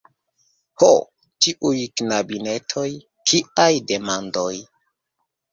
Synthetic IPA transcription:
ho | t͡ʃiʔujknabine̞tʰo̞j | kʰiʔajde̞mando̞j

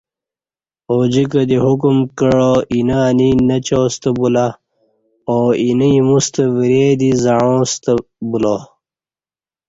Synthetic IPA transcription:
oːd͡ʑikɐd̪iɦukumkəɻoʔinaninɐt͡ɕoːst̪ɐbula | oːiniimust̪ɐʋiɾeːd̪izɐɻõːst̪ɐbulo

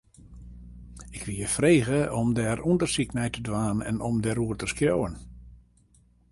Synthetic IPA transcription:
ɪkʋilˠjəfreːɣəɔmdɛrundərsiknɛjtədʋaːnɛ̰nɔmdɛɾuərtəskjoːwən

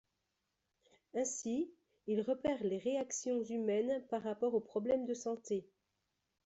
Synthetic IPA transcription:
ɛ̃si | ilʁəpɛʁleʁeaksjɔ̃zymɛnpaʁːapɔʁopχɔblɛmd̪əsɑ̃t̪e

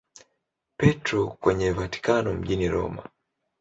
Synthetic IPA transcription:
pɛtɾɔkwɛɲɛvati̥kanɔm̩ʄiniɾɔ̰ma̰

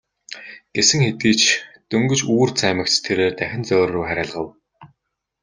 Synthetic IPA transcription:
ɡ̥esɘ̆ŋxet̪iːt͡ɕʰt̪ɵŋɡɵ̆t͡ɕuːrt͡sʰæːmə̆ktt̪ʰeɾeːrt̪æxʲɪ̆nt͡sœːrːuːjχæɾʲăːɮʁə̆w

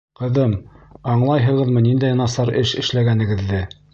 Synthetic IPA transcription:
qɤ̆ðɤmɑɴlˠɑjɦɤ̆ʁɤ̆ðmɤnind̪æjɑnɑsɑɾɘʃɘ̆ʃlæɡænɘ̆ɡɘ̆ðːɘ

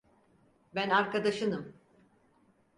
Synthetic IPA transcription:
bænaɾkad̪aʃɯnɯm

